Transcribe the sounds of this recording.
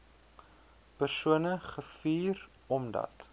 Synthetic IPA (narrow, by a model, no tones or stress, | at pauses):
pərsuənəχəfiːr | ɔmdɐ̰t